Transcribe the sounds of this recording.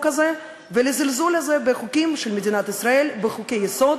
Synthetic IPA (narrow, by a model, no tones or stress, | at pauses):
kaze | velezilzulhazebeχukʲimʃelmed̪inat̪isɾae̞lbeχukejːeso̞d̪